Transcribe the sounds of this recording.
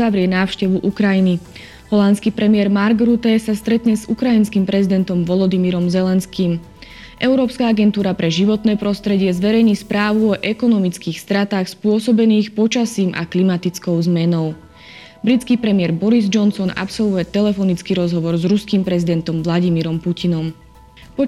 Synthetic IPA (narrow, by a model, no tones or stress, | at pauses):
aʋɾɪɛnaːʊʃcɛʋuʔukɾajini | ɦɔlant̪t͡skipɾɛmɪɛɾmaɾɡɾut̪ɛsast̪ɾɛt̪ɲɛzukɾainskimpɾɛzid̪ɛnt̪ɔmʋɔlɔd̪imiɾɔmzɛlɛnskim | ʔɛʊɾɔːpskaaɡɛnt̪uːɾapɾɛʒiʋɔt̪nɛːpɾɔst̪ɾɛɟɪɛzʋɛɾɛjɲispɾaːʋuɔʔɛkɔnɔmit͡skiːxst̪ɾat̪aːxspʊɔsɔbɛniːxpɔt͡ʃasiːmʔa̰klimat̪it͡skɔʊzmɛnɔʊ | bɾit͡skipɾɛmɪɛɾbɔɾizd͡ʒɔnsɔna̰psɔlˠʋujɛt̪ɛlɛfɔnit͡skiɾɔzɦɔʋɔɾzɾuskimpɾɛzid̪ɛnt̪ɔmʋlaɟimiɾɔmpucinɔm | pɔ